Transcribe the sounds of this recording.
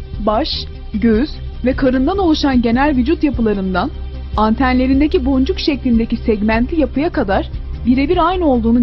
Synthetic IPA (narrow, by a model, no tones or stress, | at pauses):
baʃ | ɟøz̥ | vɛkʰaɾɯnd̪ano̞lˠuʃanɟe̞nælʲvyd͡ʒut̪japɯlˠaɾɯmd̪an | ant̪ʰænlʲe̞ɾind̪ecibo̞nd͡ʒukʃɛclʲind̪ecisɛɟmænt̪ʰlʲijapɯjakad̪aɾ̥biɾe̞biɾajnɯo̞lˠd̪uːnu